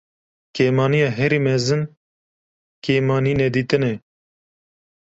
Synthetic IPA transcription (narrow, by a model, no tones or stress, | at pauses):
keːmɑːnijɑːɦɛɾiːmɛzɨn | keːmɑːniːnɛd̪iːt̪ɨnɛ